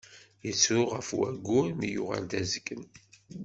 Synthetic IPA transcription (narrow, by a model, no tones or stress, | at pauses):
jət͡sːʊʁəfwæɡːʊɾmijṵʁa̰ld̪æzəɡən